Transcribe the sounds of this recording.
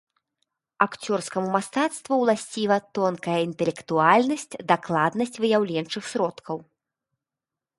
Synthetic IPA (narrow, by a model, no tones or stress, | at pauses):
akt͡sʲɔrskɐmumast̪at̪st̪vuwlˠasʲt͡sʲivɐt̪ɔnkɐjɐint̪ɛlʲɛkt̪ualʲnɐsʲt͡sʲd̪aklˠad̪nɐsʲt͡sʲvɨjawlʲɛnt͡ʂɨxsʲɾɔt̪kʰɐw